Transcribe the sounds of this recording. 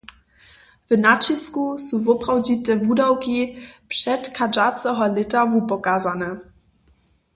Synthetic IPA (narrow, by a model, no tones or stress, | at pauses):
vnat͡ʃiskusuvɔpɾawd͡ʑit̪ɛvudawkipʂɛt̪kad͡ʒat͡sɛɦɔlɪt̪avupɔkazanɛ